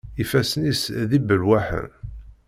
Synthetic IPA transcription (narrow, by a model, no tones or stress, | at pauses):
ifæsənisðibəlwæħə̰ɾ